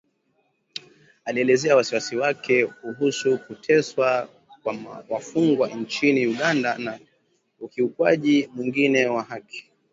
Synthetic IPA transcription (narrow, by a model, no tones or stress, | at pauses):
aliɛlɛzɛawasiwasiwakʰɛkuɦusukutʰɛswa | kwawafuŋɡwaɲt͡ʃiniuɠandana | ukiukwaʄimwiŋɡinɛwahaki̥